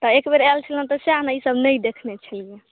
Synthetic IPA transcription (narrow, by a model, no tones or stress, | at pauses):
t̪ɔekbeɾalt͡ʃʰələnt̪ɔseaɦnaisəbnəjd̪ekʰnet͡ʃʰəlije